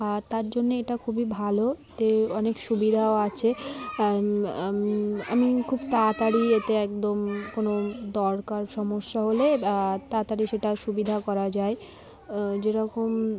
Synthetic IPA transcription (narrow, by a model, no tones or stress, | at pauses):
at̪aɾd͡ʑonːeeʈakʰubibʱaloet̪eɔnekʃubid̪ʱaoat͡ɕʰe | a̰mikʰubt̪at̪aɽiet̪eɛkd̪omkonod̪ɔɾkaɾʃɔmoʃːaɦoleat̪at̪aɽiʃeʈaʃubid̪ʱakɔɾad͡ʑae | d͡ʑeɾɔkom